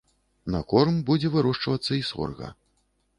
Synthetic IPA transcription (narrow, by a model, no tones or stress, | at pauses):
nɐkɔrmbud͡zʲɛvɨɾɔʂt͡ʂvɐt̪sːɐisɔ̰rɣɐ̰